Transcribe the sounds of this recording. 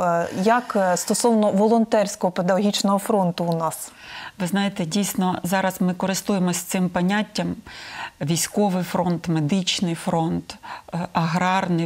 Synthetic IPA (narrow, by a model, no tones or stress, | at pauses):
jɐkst̪ɔsɔwnɔʋɔlˠɔnt̪ɛrʲsʲkɔɦɔped̪ɐɦɔɦʲit͡ʃnɔɦɔfɾɔnt̪ʊːnɑs | ʋɪznɑjet̪ɛdʲijsʲnɔzɑɾɐzmɪkɔɾɪst̪ujemɔsʲt̪sɪmpɐnʲatʲːɐm | ʋʲijsʲkɔʋɪjfɾɔnt̪med̪ɪt͡ʃnɪjfɾɔnt̪ɐɦɾɑrnɪ